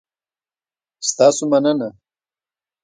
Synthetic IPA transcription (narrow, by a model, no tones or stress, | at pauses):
st̪ɑːsomɐnəna